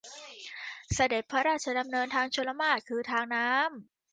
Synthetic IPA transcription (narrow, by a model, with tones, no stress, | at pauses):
sa˧de˨˩t̪̚pʰːa˦˥ɾaː˥˩t̪̚t͡ɕʰa˧da˧mnɤː˧nt̪ʰaː˧ŋt͡ɕʰu˧nla˧maː˥˩t̪̚kʰɯː˧t̪ʰaː˧ŋnaː˦˥m